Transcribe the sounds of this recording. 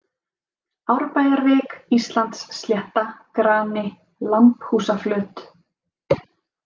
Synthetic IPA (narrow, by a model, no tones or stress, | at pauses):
awɾpaːjðaɾvɛːkist̪lant̪sːljɛht̪akɾaːnɪ | lamphuːsaflœːt̪